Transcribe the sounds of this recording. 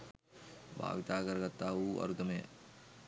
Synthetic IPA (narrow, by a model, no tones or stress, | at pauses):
bʱa̰ːʋit̪aːɡɐɾɐɡɐt̪ːaːuːʔɐ̰ɾud̪ɐmḛ